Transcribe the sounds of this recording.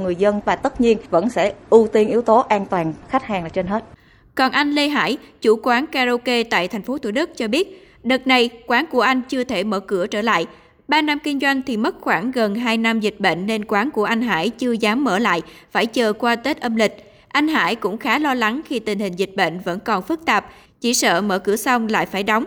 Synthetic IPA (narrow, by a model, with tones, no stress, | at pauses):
ŋɨ˨˩əjzə˧nvaː˨˩t̪ə˦˥t̚ɲi˧ənvə̰˧˥nsɛ̰˧˩ʔu˧t̪i˧ənʔi˨˦əwt̪o˨˦ʔaː˧nt̪waː˨˩nxa˦˥k̚haː˨˩ŋlaː˨˩t͡ɕe˧nɦe˦˥t̚ | kɔ˨˩nʔa˧jŋ̟le˧ɦa̰ː˧˥˩jt͡ɕu˧˩kwaː˨˦nkaː˧zo˧ke˧t̪a̰ː˧˨jt̪ʰɛ˨˩ŋ̟fo˨˦t̪ʰṵ˧˩ɗk̚t͡ɕɔ˧ɓi˦˥ət̚ | ɗə˨˩t̚na˨˩jkwaː˨˦nku˧˩əʔa˧jŋ̟t͡ɕɨ˧ət̪ʰe˧˩mə̰ː˧˩kɨ˧˩ət͡ɕəː˧˩la̰ː˧˨j | ɓaː˧na˧mkï˧ŋzwa˧jŋ̟t̪ʰi˨˩mə˦˥t̚xwaː˧˩ŋɣə˨˩nɦaː˧jna˧mzi˨˩k̟̚ɓḛ˧˨n̟ːe˧nkwaː˨˦nku˧˩əʔa˧jŋ̟ɦa̰ː˧˩jt͡ɕɨ˧əzaː˨˦mːəː˧˩la̰ː˧˨jfaː˧˩jt͡ɕəː˨˩kwaː˧t̪e˦˥t̚ʔə˧mlï˨˩k̟̚ | ʔa˧jŋ̟ɦa̰ː˧˥jkʊ̰˧˥ŋ͡mxaː˨˦lɔ˧la˨˦ŋxi˧t̪ï˨˩ŋ̟hï˨˩ŋ̟zi˨˩t̟̚ɓḛ˧˨ŋ̟və̰˧˥nkɔ˨˩nfɨ˦˥k̚t̪aː˨˩p̚ | t͡ɕi˧˩sə̰ː˧˨mə̰ː˧˩kɨ̰˧˩əsa˧wŋ͡mla̰ː˧˨jfaː˧˩jɗɔ˨˦wŋ͡m